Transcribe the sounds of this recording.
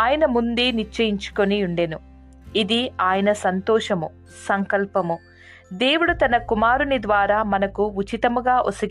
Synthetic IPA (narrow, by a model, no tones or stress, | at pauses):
aːjɐnɐmund̪eːniɾt͡ʃːɐjiɲt͡ʃu̥ko̞niuɳɖeːnu | id̪iaːjɐnɐsɐnt̪ɔːʂɐmu | sɐŋkɐlpɐmu | d̪e̞ːwuɽut̪ɐnɐkumaːɾunid̪ʋaːɾaːmɐnɐkuut͡ʃit̪ɐmuɡaːʔosɐɡ